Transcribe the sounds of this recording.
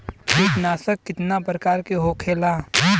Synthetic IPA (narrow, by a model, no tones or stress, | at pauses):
eːknaːsəkːɪt̪napɾəkaːɾkeɦoːkʰeːlaː